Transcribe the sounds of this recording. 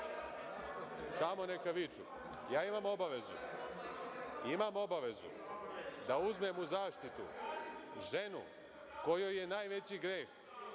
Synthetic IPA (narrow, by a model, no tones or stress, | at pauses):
saːmo̞nekaʋit͡ʃṵ | jaːimamo̞baʋe̞zṵ | imamo̞baʋe̞zṵ | d̪auzme̞muzaːʃt̪it̪ṵ | ʒe̞nṵ | ko̞jojːe̞naːjʋe̞t͡ɕiɡɾeːx